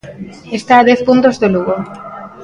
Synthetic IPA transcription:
est̪aːðɛθpunt̪ozðeluɣo

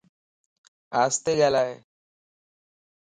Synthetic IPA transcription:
aːst̪eɡalaːɦḛː

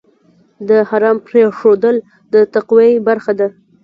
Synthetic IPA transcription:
d̪əhaɾɑmpɾeʂod̪əl | d̪ət̪aqwejbaɾxad̪a

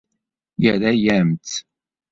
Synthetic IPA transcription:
jəɾæjæmt̪

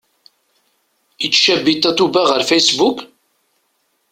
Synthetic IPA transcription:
it͡sːʃæbit̪ːæt̪ubæʁəɾfæjsbuk

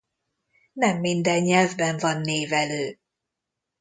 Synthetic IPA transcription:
nɛmːind̪ɛɲːɛlvbɛɱvɒnːeːvɛløː

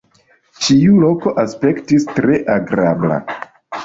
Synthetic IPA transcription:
t͡ʃiulo̞ko̞ʔaspe̞ktistɾe̞ʔaɡɾabla̰

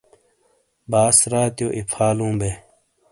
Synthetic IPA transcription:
baːsɾaːt̪joːʔipʰaːlũːbeː

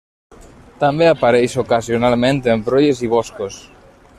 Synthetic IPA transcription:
t̪ambeapaɾejsokasjonalmẽnt̪embɾoʎeziβ̞ɔskos

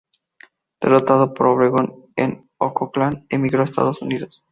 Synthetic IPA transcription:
d̪̥e̞rot̪að̞opo̞ɾoβɾeɣon | ḛn | okoklanemiɣɾoest̪a̰ðo̞suniðos

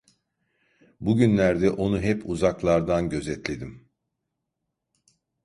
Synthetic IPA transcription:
buɟynlʲæɾd̪ɛʔo̞nuɦɛpʰuzaklˠaɾd̪anɟø̞zɛt̪lʲe̞d̪im

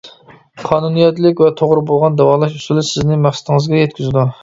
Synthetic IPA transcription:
qʰɑːnunijɛt̪lɪkʲvɛt̪ʰoʁɾɨbolˠʁɑnd̪ɛwɑːlˠɑʃusulˠɨsɪznɪmæχsɪt̪ɪŋɨzɡʲɛjɛt̪kʲyzɪd̪u

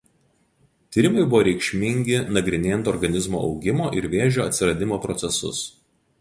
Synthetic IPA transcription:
t̪ʲiːɾʲɪmɐɪbʊʋoːɾʲɛɪkʃʲmʲɪŋʲɡʲɪnɐɡɾʲɪnʲeːjɛnt̪ɔɾɡɐnʲɪzmo̰ːʔɒ̰ʊɡʲɪmoːʔɪɾʋʲeːʒʲoːɐt̪ʲsʲɪɾɐd̪ʲɪmoːpɾɔt̪sʲɛsʊ̰s

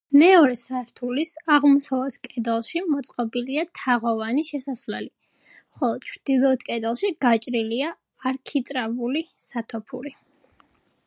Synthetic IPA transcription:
mɛɔɾɛsaɾt̪ʰulisaʁmɔsavlɛt̪kʼɛd̪ɛlˠʃimɔt̪sʼqʼɔbiliat̪ʰaʁɔvaniʃɛsasvlɛli | χɔlˠɔd̪̥̚t͡ʃʰɾd̪̥ilˠɔt̪kʼɛd̪alˠʃiɡ̥at͡ʃʼɾiliaː | ɾkʰit̪ʼɾabulisat̪ʰɔpʰuɾi

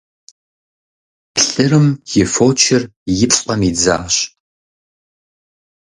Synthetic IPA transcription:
pɬɨɾɨmjɪfoːt͡ʃʰɪrjɪpʼqɐmiːd͡za̰ːɕ

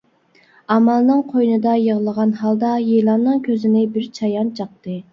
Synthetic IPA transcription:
ɑmɑlˠnɨŋqʰojnɨd̪ɑjəʁlˠəʁɑnhɑlˠd̪ɑjelˠɑnːɨŋkʲʰøzɪnɪbɪɾt͡ʃʰɑjɑnt͡ʃʰɑq̚t̪ɨ

